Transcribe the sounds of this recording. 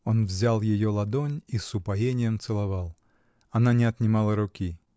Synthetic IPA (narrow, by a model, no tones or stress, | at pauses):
onvzʲalˠjɪjolˠɐd̪onʲisʊpajenʲɪjəmt̪sɨlˠavalˠ | ɐnanʲɪɐt̪nʲɪmalˠəɾʊkʲi